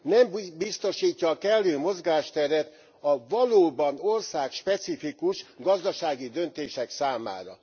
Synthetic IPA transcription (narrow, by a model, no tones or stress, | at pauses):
nɛmbist̪o̞ʃiːcːɒːkɛlːøːmo̞zɡaːʃt̪ɛɾɛt̪ | ɒvɒloːbɒno̞rsaːkʃpɛt̪sifikuʃɡɒzd̪ɒʃaːɡid̪ø̞nt̪eːʃɛksaːma̰ːɾɒ̰